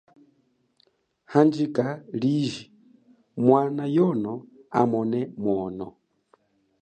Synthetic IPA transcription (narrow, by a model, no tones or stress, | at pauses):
hand͡ʒikʼaliʒi | mwanajɔnɔ | amɔnɛmwɔːnɔ